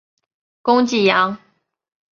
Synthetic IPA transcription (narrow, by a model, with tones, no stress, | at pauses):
kʊ˦ŋt͡ɕi˨˩jɑ˨˦ŋ